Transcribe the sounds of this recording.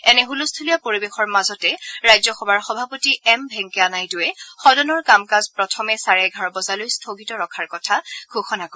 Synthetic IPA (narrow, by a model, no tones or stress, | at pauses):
ɛnɛɦulustʰulijapoɹibexɔɹmazɔtɛɹajzɔxɔbʱaɹxɔbʱapotiɛmbʱɛŋkɛanajdʊɛxɔdɔnɔɹkamkazpɹɔtʰɔmɛsaɹajɡʱaɹbɔzalojstʰoɡitɔɹɔkʰaɹkɔtʰaɡʱoxɔnakɔ